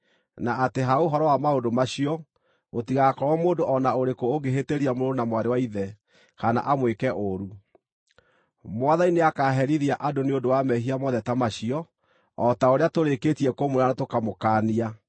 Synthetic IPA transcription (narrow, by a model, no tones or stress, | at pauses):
naʔːteɦaoɦɔɾɔwamaondomaɕiɔ | otiɣakɔwɔmoːndoʔɔnaoɾekoːɡeɦeteɾiamoɾoɾonamwaɾewaiðɛ | kana̰ʔamwekɛʔoɾu | mwaðaineakaɦɛɾiðiaʔadoneodowamɛhiamɔðɛtamaɕiɔː | taoɾeatoɾeketiɛkomoɾanatokamokaːnia